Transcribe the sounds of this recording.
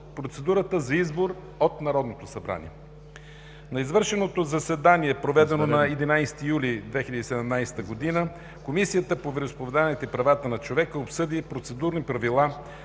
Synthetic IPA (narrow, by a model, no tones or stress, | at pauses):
pɾot̪sɛd̪uɾət̪əzɐizboɾ | ot̪nɐɾɔd̪not̪osɐbɾa̰nḭɛ | nɐizvɤɾʃɛnot̪ozɐsɛd̪aniɛpɾovɛd̪ɛnonɐɛd̪inajst̪ijulʲid̪vɛxilʲəd̪iːsɛd̪ɛmnajst̪əɡod̪inə | komisijət̪əpovɛɾospovɛd̪anɛt̪əipɾɐvat̪ənɐt͡ʃovɛkəopsɤd̪ipɾot̪sɛd̪uɾnipɾɐvilˠa